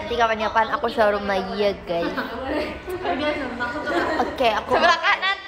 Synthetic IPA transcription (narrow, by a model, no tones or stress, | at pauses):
t̪ikapaɲapanakusaɾumajəɡaj | okeakubəlakana